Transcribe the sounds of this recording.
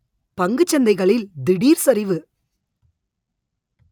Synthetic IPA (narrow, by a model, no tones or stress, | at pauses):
pɐŋɡɯt͡ʃːɐnd̪ɐɪɣɐɭɪld̪ɪɽiːɾsɐɾɪʋɯ